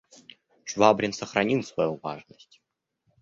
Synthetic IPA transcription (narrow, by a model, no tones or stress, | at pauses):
ʂvabɾʲɪnsəxɾɐnʲilˠsvɐjuvaʐnəsʲtʲ